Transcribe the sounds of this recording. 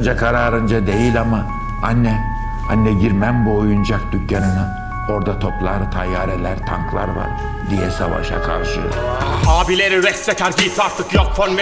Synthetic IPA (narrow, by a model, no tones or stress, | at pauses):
nd͡ʒakʰaɾaːɾɯnd͡ʒad̪e̞jilʲama | anːɛ | anːɛɟiɾmæmbuojund͡ʒak̚d̪ycʰjanɯnɯ | o̞ɾd̪at̪ʰoplˠaɾt̪ʰajːaːɾɛlʲæɾt̪ʰaŋkʰlˠa̰ɾva̰ɾ | d̪ijɛsa̰va̰ʃa̰kʰa̰ɾʃɯ̰haːbileɾiɾɛksɛkʰaɾɡiːpʰaɾt̪ɯkjɔk̚fʰɔnm